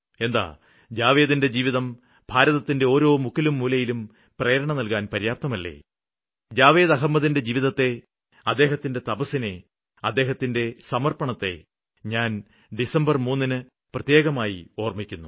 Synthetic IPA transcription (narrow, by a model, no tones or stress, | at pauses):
e̞nd̪a̰ː | d͡ʑaːʋeːðinde̞d͡ʑiːʋiðɐm | b̥ʱaːɾɐðɐt̪ːinde̞o̞ːɾo̞ːmukʰːilumːuːlɐjilum | prɐjɐɾɐɳɐmnɐlkaːnpɐɾijaːp̚t̪ːɐmɐlːḛː | d͡ʑaːʋeːðɐɦɐmːɐðinde̞d͡ʑiːʋiðɐt̪ːe̞ | ɐd̪ːe̞ːɦɐt̪ːinde̞t̪ɐbɐsine̞ | ɐd̪ːeːɦɐt̪ːinde̞sɐmɐrpɐɳɐt̪ːe̞̰ | ɲaːn | ɖisɐmbɐrmuːnːinɨ | prɐt̪je̞ːɣɐmaːjio̞ːrmikʲːunːu